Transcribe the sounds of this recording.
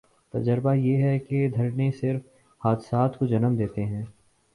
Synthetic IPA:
t̪ɐ̰d͡ʒəɾbajeɦɛked̪ʱɐɾnesɪɾf | haːd̪ɪsaːt̪kod͡ʒɐnəmd̪eːt̪eɦɛ̃ː

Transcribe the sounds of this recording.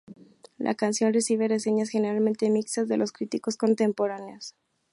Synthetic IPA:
lʔa̰kansjo̞nre̞siβe̞re̞se̞ɲasxeneɾalmẽnt̪e̞mikst̪azðe̞lʔo̞skɾit̪iko̞sko̞nt̪e̞mpo̞ɾaneo̞s

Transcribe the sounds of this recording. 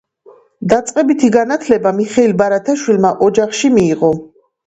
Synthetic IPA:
d̪at̪sʼqʼɛbit̪ʰiɡanat̪ʰlɛbamiχɛilbaɾat̪ʰaʃwilmaʔɔd͡ʒaχʃimiːʁɔ

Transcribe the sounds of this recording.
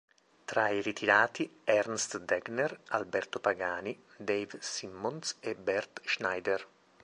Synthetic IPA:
t̪ɾairit̪ʰiɾaːt̪iɛrnst̪d̪ɛɡnɛra̰lbɛrt̪opaɡaːni | d̪ejvsimːonsebɛrt̪ʒnajd̪ɛr

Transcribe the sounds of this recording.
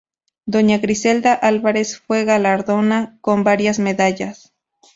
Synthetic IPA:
d̪o̞ɲaɣɾiseld̪aʔalβaɾe̞sfwe̞ɣalaɾðo̞nako̞mbaɾjazme̞ðaʎas

